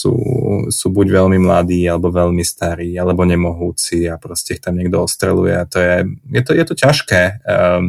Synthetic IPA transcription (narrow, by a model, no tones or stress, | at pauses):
sṵːsuːbuɟʋɛʎmimla̰d̪iːalɛbɔʋɛʎmist̪aɾiːalɛbɔɲɛmɔɦuːt͡siapɾɔscɛixt̪amɲɛɡ̚d̪ɔɔst̪ɾɛ̰lṵjɛ̰at̪ɔjɛjɛt̪ɔjɛt̪ɔcaʃkɛː